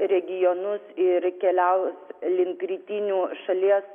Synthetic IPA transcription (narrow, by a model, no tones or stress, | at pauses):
ɾʲɛɡʲɪjɔnʊsɪɾkʲɛlʲɛʊslʲɪŋkɾʲiːt̪ʲinʲuːʃɐlʲiɛs